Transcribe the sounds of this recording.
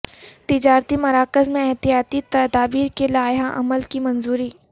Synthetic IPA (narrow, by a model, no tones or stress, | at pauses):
t̪ɪd͡ʒaːɾt̪imɐɾaːkəzmẽɛɦt̪ijaːt̪it̪ɐd̪aːbiːɾkelaːjɦaʔɐ̰məlkimɐ̃nzuːɾiː